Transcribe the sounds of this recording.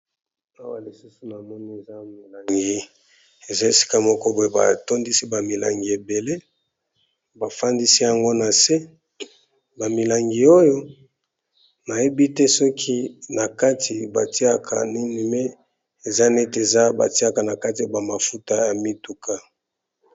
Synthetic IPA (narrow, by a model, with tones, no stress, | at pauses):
a˦wa̰˨li˨su˦su˨na˨mɔ˦ni˦e˨za˦mi˨la˨ŋɡi˨ | e˨za˦e˨si̥˦ka˦mɔ˦kɔ˦bo˨˦e˨˦ba̰˨to˦ndi˦si˦ba˨mi˨la̰˨ŋɡi˨e˨be˨le˦ | ba˨fa˦ndi˦si˦ja˨ŋɡo˦na˨se˦ | ba˨mi˨la˨ŋɡi˨o˦jo˦ | na˨je˦bi˦tɛ˦sɔ˦kʰi˦na˨ka˦tʰi˨ba̰˨ti˦a˦kʰa̰˨ni˦ni˨me˦ | e˨za˦ne˦te˨za˦ba̰˨ti˦a˦ka˨na˨ka˦ti˨a˨ba˨ma˨fu˦ta˦ja˨mi˦tu˨kʰa˦